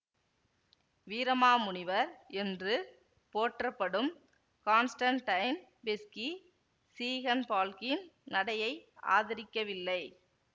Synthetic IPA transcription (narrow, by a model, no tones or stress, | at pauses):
ʋiːɾɐmaːmʊɳɪʋɐɾɛndrɯ | poːʈrɐpːɐɽɯm | kaːnsʈɐɳʈːɐɪn | bɪski | siːɣɐnpaːlkɪnnɐɽɐjɐɪa̰ːðɪɾɪkːɐʋɪlːɐɪ